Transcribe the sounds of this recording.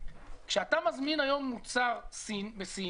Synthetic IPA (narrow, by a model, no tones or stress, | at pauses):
kʃeatamazminajo̞mːut͡saʁsibesi